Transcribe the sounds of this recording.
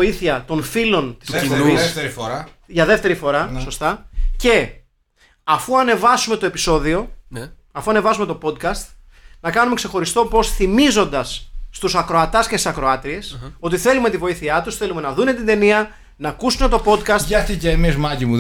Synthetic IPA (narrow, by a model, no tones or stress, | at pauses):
iθiɐt̪o̞nfilo̞nt̪isinnuist̪eɾifoɾɐʝɐðe̞ft̪e̞ɾifo̞ɾɐso̞st̪ɐce̞ | ɐfuɐne̞vɐsume̞t̪o̞e̞piso̞ðio̞ | ɐfuɐne̞vɐsume̞t̪opo̞d̪̚kɐst̪ | nɐkɐnumekse̞xo̞ɾist̪o̞po̞sθimizo̞nd̪ɐsːt̪usɐkɾo̞ɐt̪ɐscest̪i̥sɐkɾo̞ɐt̪ɾie̞so̞t̪iθe̞lume̞t̪ivo̞iθiɐt̪usθe̞lume̞nɐðune̞t̪ind̪e̞niɐ | nɐːkusune̞t̪o̞po̞d̪kɐstɐt̪icemizmɐcimu